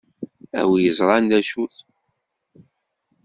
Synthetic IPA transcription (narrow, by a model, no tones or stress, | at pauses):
æ̰wijəzˤɾˤɑnd̪æʃuθ